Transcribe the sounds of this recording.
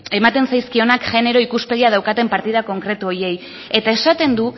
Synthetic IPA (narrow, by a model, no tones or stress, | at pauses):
e̞mat̪e̞nsajskio̞nakʝe̞ne̞ɾo̞ikuspe̞ɣiað̞awkat̪e̞mpaɾt̪ið̞ako̞ŋkɾe̞t̪uo̞je̞j | e̞t̪ae̞sat̪e̞nd̪u